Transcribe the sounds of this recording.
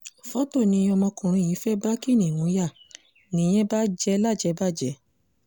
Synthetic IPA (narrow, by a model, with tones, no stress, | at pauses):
fɔ˦to˦˨nĩ˧˦˧ɔ˧mɔ̃˧kũ˨ɾ̃ũ˧˨jĩ˨˦fɛ˦ba˦ki˦˨nĩ˨nũ˨˦ja˦˨ | nĩ˦j̃ẽ˦ba˦d͡ʒɛ˧la˦˨d͡ʒɛ˨˧˦ba˦˨d͡ʒɛ˨˦